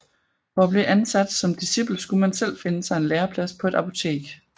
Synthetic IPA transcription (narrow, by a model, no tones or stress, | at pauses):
fɒ̽æb̥li̝ʔænsæd̥sɒ̽md̥isib̥l̩sɡ̥umænsel̰fe̝nəsɑ̈ɪe̝nleːɐpʰlæspʰɒ̽e̝ɾ̥ɑpʰo̝t͡sʰe̝̰ːɡ̥